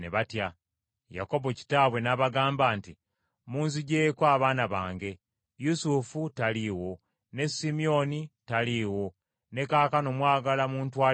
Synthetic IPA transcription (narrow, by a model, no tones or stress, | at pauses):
neβatja | ja̰ko̞βoci̥taːβwe̞naβaɡaːmbaːnti | muːnziɟe̞ːkwaːβaːnaβaːŋɡe̞ | jusufutaliːwo̞ | ne̞simio̞nitaliːwo̞ | ne̞kaːkano̞mwaːɡalamuːntwaː